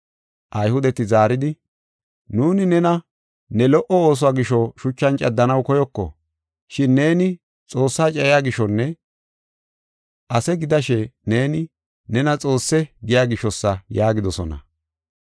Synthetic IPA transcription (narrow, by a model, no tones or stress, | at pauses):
ʔɐjhʊd̪ɛt̪ɪzaːɾɪd̪ɪ | nuːnɪnɛnɐ | nɛlɔʔɔoːs̬ʊwaːɡɪʃɔʃʊt͡ʃːɐnt͡ʃʼɐd̪ːɐnɐwkɔjɔkːɔ̰ | ʃɪnːe̞ːnɪ | t͡sʼo̞ːsːaːt͡ʃʼɛjɪjaːɡɪʃːɔnːɛ | ʔɐsɛɡɪd̪ɐʃɛne̞ːnɪ | nɛnɐt͡sʼo̞ːsːɛɡɪjaːɡɪʃːɔsːɐjaːɡɪd̪ɔsɔ̰nɐ̰